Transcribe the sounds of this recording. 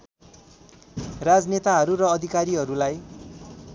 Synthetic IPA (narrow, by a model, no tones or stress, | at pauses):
rad͡znet̪aɦʌɾuɾʌːd̪ʱikaɾiɦʌɾulaj